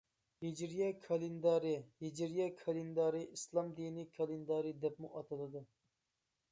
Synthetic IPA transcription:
hid͡ʒiɾjɛkʰɑlˠɪnd̪ɑɾihid͡ʒiɾijɛkʰɑlˠɪnd̪ɑɾiislˠɑmd̪inikʰɑlˠɪnd̪ɑɾid̪ɛpmuʔɑt̪ʰɨlˠɨd̪ɨ

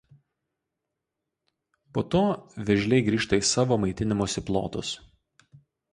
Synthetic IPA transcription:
poːt̪oːʋʲɪʒʲlʲɛɪɡɾʲiːʃt̪ɐiːsɑːʋoːmɐɪt̪ʲɪnʲɪmoːsʲɪplˠo̰ːt̪ʊs

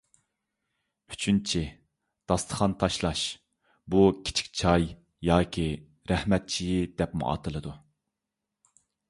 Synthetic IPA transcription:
y̥t͡ʃʰynt͡ʃʰi | d̪̥ɑst̪ʰə̥χɑnt̪ʰɑʃlˠɑʃ | bukʲʰi̥t͡ʃʰi̥k̚ʲt͡ʃʰɑj | jɑːkʲʰi | ɾɛhmɛt̪̚t͡ʃʰijid̪ɛpmṵʔɑ̰ːt̪ʰɨlˠɨd̪u

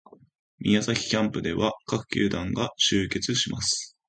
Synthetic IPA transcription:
mʲḭjazaçʲi̥kʲãmpɯ̟d̪e̞βakakɯ̟̥kʲɨ̰ːd̪ãŋɡaɕɨːke̞t͡sɨɕimasɨ̥

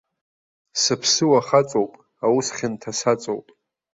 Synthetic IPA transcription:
sɨpʰsɨwaχat͡sʼowpʼ | awusχʲɪntʰasat͡sʼo̰wpʼ

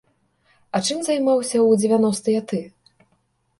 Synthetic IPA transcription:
ɐt͡ʂɨmzajmawsʲɐwd͡zʲevʲanɔst̪ɨjat̪ɨ

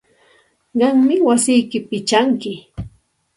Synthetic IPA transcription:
ɢɑŋmɪwasɪjkɪpɪt͡ʃaŋkɪ

